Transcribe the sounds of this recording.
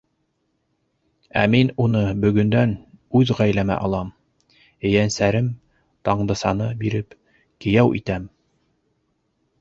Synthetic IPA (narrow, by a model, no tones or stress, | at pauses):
æ̰minunɤbɵ̆ɡɵ̆nd̪ænʉðʁæjlæmæ̰ʔɑlˠɑm | ɘ̆jænsæɾɘm | t̪ɑɴd̪ɤ̆sɑnɤbiɾɘp | kɘ̆jæwʔḭt̪æm